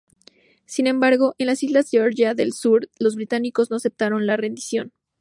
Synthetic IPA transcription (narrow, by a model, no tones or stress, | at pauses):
sinẽ̞mbaɾɣo̞ʔe̞nlasizlazdeoɾʝaðe̞lsuɾlo̞zβɾit̪aniko̞zno̞ase̞p̚t̪aɾo̞nlare̞nd̪isjo̞n